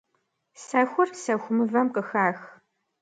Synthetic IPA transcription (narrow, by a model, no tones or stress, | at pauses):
sɐxʷʊrsɐxʷʊmɨvɐmqəxaːx